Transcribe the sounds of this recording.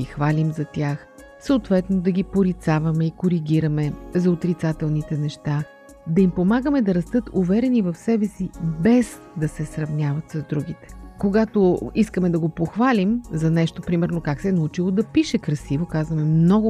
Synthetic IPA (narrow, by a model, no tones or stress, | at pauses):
ixvalʲimzɐt̪ʲjax | səot̪vɛt̪nod̪ɐɡʲipoɾit̪savɐmɛikoɾiɡʲiɾɐmɛzɐot̪ɾit̪sat̪ɛlˠnit̪ɛnɛʃt̪a | d̪ɐimpomaɡəmɛd̪ɐɾɐst̪ɤt̪uvɛɾɛnivɐfsɛbɛsibɛz | d̪ɐsɛsɾɐvnʲavɐt̪sɐzd̪ɾuɡit̪ɛ̥koɡat̪oiskəmɛd̪ɐɡopoxvalʲimzɐnɛʃt̪opɾimɛɾnokaksɛɛnɐut͡ʃilˠod̪ɐpiʃɛkɾɐsivokazvɐmɛmnɔɡʊ